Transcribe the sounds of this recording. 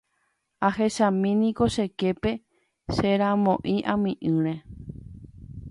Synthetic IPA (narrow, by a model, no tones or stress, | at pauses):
ahe̞ʃãmĩnĩko̞ʃe̞ke̞pe̞ | ʃeɾãmõʔĩʔãmĩʔɨ̃ɾ̃e